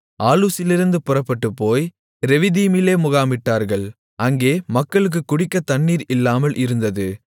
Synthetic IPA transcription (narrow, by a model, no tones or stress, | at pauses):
ʔaːluːsɪlɪɾɯnd̪ɯpʊrɐpːɐʈːɯpːoːj | ɾɛʋɪðiːmɪleːmʊɣaːmɪʈːaːɾɣɐɭ | ʔɐŋɡeːmɐkːɐɭɯk̬ːɯkːʊɽɪkːɐt̪ɐɳːiːɾɪlːaːmɐlʔɪɾɯnd̪ɐðɯ